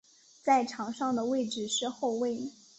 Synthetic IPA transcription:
t͡sa˥˩ɪʈ͡ʂʰɑ˨˥ŋʂɑ˥˩ŋd̪ə˩we˥˩ɪʈ͡ʂɻ̩˨˩ʂɻ̩˥˧xo˥˧ʊwe˥˩ɪ

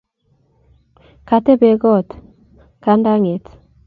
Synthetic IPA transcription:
ka˨tɛ˦be˨ɡɔ˦˨t̪ | ka˦nda˦ŋe˨t

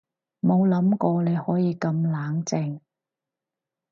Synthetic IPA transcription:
mo˨˧wlɐ˨˥mkɔː˧ne˨˧jhɔː˨˥jiː˨˧kɐ˧mlaː˨˥ŋt͡sɪ˧ŋ

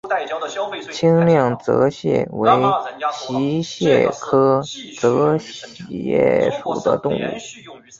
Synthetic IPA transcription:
t͡ɕʰi˥ŋljɑ˥˩ŋt͡sɤ̰˧˥ɕjɛ̰˥˩we˧˥ɪɕi˧˥ɕjɛ˥˩kʰɤ˥t͡sɤ˧˥ɕjɛ̰˥˩ʂṵ˨˩d̪ə̰˦t̪ʊ˥˧ŋṵ˥˩

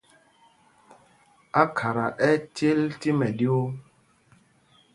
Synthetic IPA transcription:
a˦kʰa˨ɾa˨ʔɛ˦te˦lti˦mɛ˨ɗi˦o˦

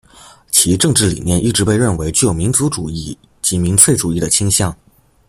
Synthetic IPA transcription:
t͡ɕʰi˧˥ʈ͡ʂɤ˥˧ŋʈ͡ʂɻ̩˥˩lḭ˨˩njɛ˥˧nʔi˥˩ʈ͡ʂɻ̩˧˥pe˥˧ɪɻə˥˩nwe˧˥ɪt͡ɕy˥˩jo˨˩ʊmi˧˥nt͡su˧˥ʈ͡ʂu˨˩i˥˩ | t͡ɕi˧˥mi˧˥nt͡sʰwe˥˩ɪʈ͡ʂu˨˩i˥˩d̪ə˩t͡ɕʰi˥ŋɕjɑ˥˩ŋ

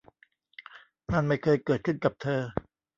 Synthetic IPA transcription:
na˥˩nma˥˩jkʰɤː˧jkɤː˨˩t̪̚kʰɯ˥˩nka˨˩p̚t̪ʰɤː˧

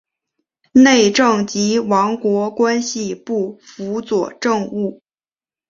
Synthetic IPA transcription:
ne˥˧ɪʈ͡ʂɤ˥˩ŋt͡ɕi˧˥wɑ˧˥ŋkwɔ˧˥kwa˥nɕi˧pu˥˩fu˧˥t͡swɔ˨˩ʈ͡ʂɤ˥˧ŋu˥˩

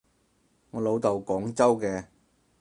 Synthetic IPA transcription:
ŋɔː˨˧lo˨˧wt̪ɐ˨wkɔː˨˥ŋt͡sɐ˥wkɛː˧

